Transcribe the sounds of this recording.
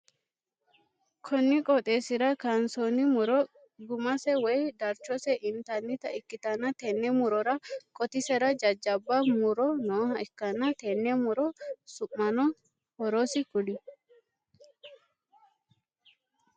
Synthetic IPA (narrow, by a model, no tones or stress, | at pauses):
kʰɔnːɪkʼɔt̪ʼeːsɪɾɐkansonɪmʊɾɔ | ɡʊmɐsɛwɛjd̪ɐɾt͡ʃːɔsɛʔɪnt̪ɐnːɪt̪ɐʔɪkːɪt̪ɐnːɐt̪ɛnːɛmʊɾɔɾɐkʼɔt̪ɪsɛɾɐd͡ʒɐd͡ʒːɐbːɐmʊɾɔnoːhɐɛkːɐnːɐt̪ɛnːɛmʊɾɔsʊmːɐnɔ | hɔɾosɪkʊlɪ